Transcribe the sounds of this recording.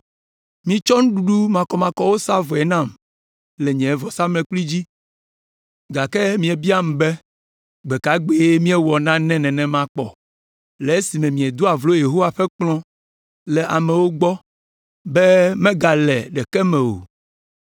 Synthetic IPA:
mĩ˨t͡ʃɔ˦ŋũ˦ɖu˨ɖu˦mã˨kɔ˨mã˨kɔ˦wo˦sa˦vɔ˨ɛ˨nã˦˨m | lɛ˨ɲɛ̃˨ɛ˦vɔ˨sa˦mlɛ̃˨k͡pli˦d͡ʑi˦ | ɡa˨kɛ˦mĩ˨ɛ˨bi˦a˦m˨bɛ˦ | ɡ͡be˨ka˨˦ɡ͡be˨je˦mĩ˦ɛ˦wɔ˨nã˦nɛ̃˦nɛ̃˨nɛ̃˨mã˦k͡pɔ̰˨ | lɛ˨e˦si˨mɛ̃˨mĩ˨ɛ˨d̪o˦a˨vlo˦je˨ɦo˦wa˨ɸɛ˦k͡plɔ̃˦ | lɛ˨ʔa˨mɛ̃˨wo˦ɡ͡bɔ˦ | bɛ˦mɛ̃˦ɡa˨lɛ˨ɖɛ˨kɛ˦mɛ̃˨wo̰˨

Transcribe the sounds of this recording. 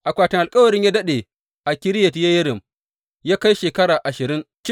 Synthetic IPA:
ʔa˨kʷaː˨tɪ˨ŋʔa˨lkʼɐ˦wɐ˨ɾɪ˦ɲjaː˦dɐ˦ɗeː˨ | ʔa˨kʲɪ˦ɾɪ˦jɐ˨tja˦jɐ˦ɾɪ˨m | jaː˦ka˦jʃeː˨kɐ˦ɽaː˨ʔa˨ʃɪ˨ɾɪ˦ŋt͡ʃ

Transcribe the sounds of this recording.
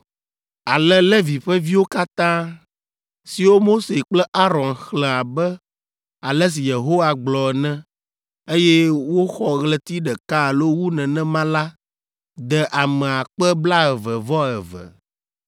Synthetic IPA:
a˨lɛ˦lɛ˦vi˨ɸɛ˦vi˦wo˦ka˦t̪ã˦ | si˨wo˦mo˦se˨k͡plɛ˦ʔa˦ɾɔ̃˨nxlɛ̃˨a˨bɛ˦ | a˨lɛ˦s̬i˨je˨ɦo˦wa˨ɡ͡blɔ˨ɛ˨nɛ̃˦ | e˦jɛ˦wo˦xɔ˦ɣlɛ˦t̪i˦ɖɛ˨ka˦˨lo˦wu˦nɛ̃˨nɛ̃˦mã˦la˦ | d̪ɛ˨ʔa˨mɛ̃˨a˨k͡pɛ˦bla˦ɛ˨və˨vɔ˦ɛ˨və̰˨

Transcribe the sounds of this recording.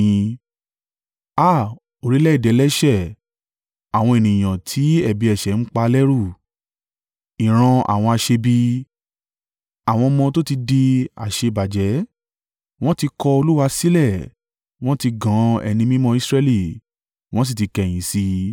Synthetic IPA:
ĩ˧ | a˦˨ | o˨ɾi˨˦lɛ˦i˦˨dɛ˨˦lɛ˦ʃɛ˦˨ | a˨w̃ɔ̃˧e˨nĩ˨j̃ã˨tʰi˨˦ɛ˦˨bi˨˧ɛ˨ʃɛ˨n̩˦k͡pa˧lɛ˦ɾu˦˨ | i˨ɾ̃ã˧a̰˨w̃ɔ̃˧a˧ʃe˧bi˦ | a˨w̃ɔ̃˧mɔ̃˧to˦ti˧di˧a̰˨ʃe˧ba˨d͡ʒɛ˨˦ | w̃ɔ̃˦ti˧kɔ˧o˧lu˦wa˧si˦lɛ˦˨ | w̃ɔ̃˦ti˧ɡã˨˦ɛ̰˨nĩ˧mĩ˦mɔ̃˧˦i˦˧sɾɛ˦li˦˨ | w̃ɔ̃˦s̬i˦˨ti˧kɛ̃˧˨ĩ˨˦si˧

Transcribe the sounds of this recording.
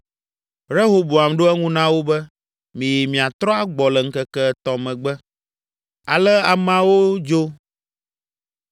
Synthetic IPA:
ɾe˦ɦo˦bo˨a˨mɖo˦ɛ˦ŋũ˦nã˦wo˦bɛ˦ | mĩ˨ji˨mĩ˨a˨t̪ɾɔ˦a˦ɡ͡bɔ˨lə˨ŋ̩˦kə˦kɛ˦t̪ɔ˨mɛ̃˨ɡ͡bɛ˦ | a˨lɛ˦a˨mã˦wo˦d͡ʒo˦

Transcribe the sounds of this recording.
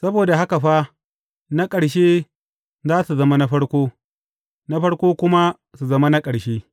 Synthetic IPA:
sɐ˦boː˨da˨ɦa˦ka˨ɸa˦ | na˦kʼɐ˨ɽʃeː˦ | zaː˦su˨zɐ˦ma˦na˦ɸɐ˦ɽkʷoː˦ | na˦ɸɐ˦ɽkʷoː˦kʷʊ˦ma˦ | su˨zɐ˦ma˦na˦kʼɐ˨ɽʃeː˦

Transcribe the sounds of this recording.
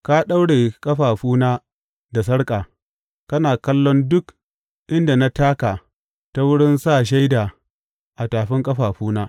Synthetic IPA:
ka˦ɗa˦wɽeː˨kʼɐ˦ɸaː˨ɸuː˦naː˦ | da˨s̬ɐ˦ɽkʼaː˨ | kɐ˦naː˨kɐ˦lːɔ˦ndʊ˦k | ʔɪ˦nda˨na˦taː˦kaː˨ | ta˦wʊ˦ɽɪ˦nsaː˦˨ʃ̬a˦jdaː˨ | ʔa˨taː˨ɸɪ˦ŋkʼɐ˦ɸaː˨ɸuː˦naː˦

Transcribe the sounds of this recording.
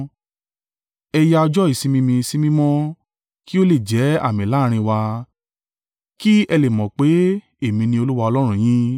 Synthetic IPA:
ɛ˧ja˧ɔ˧d͡ʒɔ˦i˦˨sĩ˧mĩ˧mĩ˧si˦mĩ˦mɔ̃˦ | ki˦o˦le˦˨d͡ʒɛ˨˦a̰˦˨mĩ˨la˦˧ɾ̃ĩ˧wa˧ | ki˦ɛ˧le˨mɔ̃˨k͡pe˨˦ | e˦˨mĩ˧nĩ˧o˧lu˦wa˧ɔ˧lɔ˦ɾ̃ũ˦j̃ĩ˦

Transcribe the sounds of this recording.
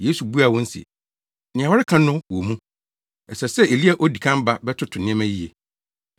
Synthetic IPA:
je˦su˨bu˦a˨wɔ̃˦n̩˦sḭ˨ | nɪ̃˨ã˨wɔ˦ɾɪ˦kʰã˦nʊ̃˦wɔ˨mũ˦ | ɛ˨sɛ˨sɛ˦e˨li˦a˨ʔo˦di˨kʰã˦m˦ba˦bɛ˦tʰʊ˦tʰʊ˨nɪ̃˦ɛ̃˦mæ̃˦ji˦je˨

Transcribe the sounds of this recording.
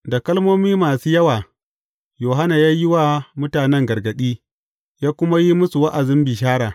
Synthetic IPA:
da˨kɐ˦lmoː˦miː˦maː˨suː˦jɐ˦waː˨ | joː˨ɦa˦na˨jaː˦jɪ˦wa˦mʊ˦taː˨nɛ˦ŋɡɐ˨rɡɐ˨ɗiː˦ | jaː˦kʷʊ˦ma˦ji˦mʊ˦su˨wa˦ʔa˨zɪ˦mbi˨ʃ̬aː˦ɽaː˨

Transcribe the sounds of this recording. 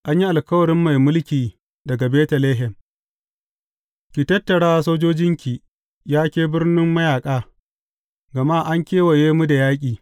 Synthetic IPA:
ʔa˦ɲji˦ʔa˨lkɐ˦wɐ˨ɽɪ˦mːa˨jmʊ˦lkʲiː˨ | dɐ˨ɡa˨beː˦tɐ˨leː˦ɦɛ˨m | kʲi˨tɐ˦tːɐ˨ɽaː˦soː˦d͡ʒoː˦d͡ʒɪ˦ŋkʲi˨ | jaː˦kʲeː˦bɪ˦rnɪ˦mːɐ˦jaː˨kʼaː˦ | ɡɐ˨ma˦ʔa˦ŋkʲeː˦wɐ˨jeː˦mu˦da˨jaː˦kʲʼiː˨

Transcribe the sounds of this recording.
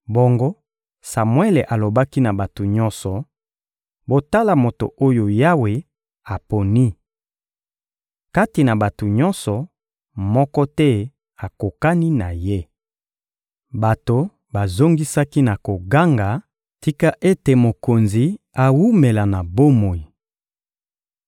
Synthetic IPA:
bo˦ŋɡo˦ | sa˨mwe˦le˨ʔa˨lo˨ba˦ki˦na˨ba˨to˨ɲɔ˦nsɔ˨ | bo˨ta˦la˨mo˨to̰˨o˦jo˨ja˦we˨ | a˨po˨ni˦ | ka˦ti˨na˨ba˨to˨ɲɔ˦nsɔ˨ | mɔ˦kɔ˦tɛ˦ | a˨ko˨ka˦ni˦na˨je˦ | ba˨to˨ | ba˨zo˦ŋɡi˦sa˦ki˦na˨ko˨ɡa˦ŋɡa˨ | ti˦ka˦ʔe˦te˨mo˨ko˨nzi˨ | a˨wu˦me˨la˨na˨bo˦mo˨i˨

